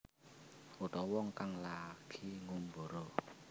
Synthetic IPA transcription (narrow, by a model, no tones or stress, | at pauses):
uɖɔwɔŋkaŋlaɡ̥ʰi̤ŋumboɾo